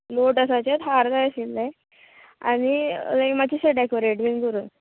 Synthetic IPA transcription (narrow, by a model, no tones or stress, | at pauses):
noʈəsat͡ɕat̪ɦaɾd̪ajsilːe | a̰nilajkmat͡ɕiseɖekoɾeʈʋiŋkəɾuːn